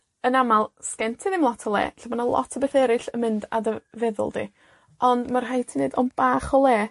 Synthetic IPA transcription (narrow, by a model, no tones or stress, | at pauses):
ənamalˠskɛntʰɨðɪmlˠɔtʰɔlˠɛ̰ːɬabɔnalˠɔ̰tʰɔbeθɛɾɪɬəmɪnda̰dəvɛðʊ̰lˠdḭ | ɔndmar̥ɦajtʰineːdɔnb̥aːχɔlˠɛː